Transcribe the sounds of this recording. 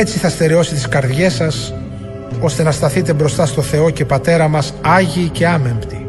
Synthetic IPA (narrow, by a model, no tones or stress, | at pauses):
et͡siθɐst̪e̞ɾio̞sit̪iskɐɾðʝe̞sɐs | o̞st̪e̞nɐst̪ɐθit̪e̞bɾo̞st̪ɐst̪oθe̞o̞ce̞pɐt̪e̞ɾɐmɐsɐʝiːce̞ɐmempt̪i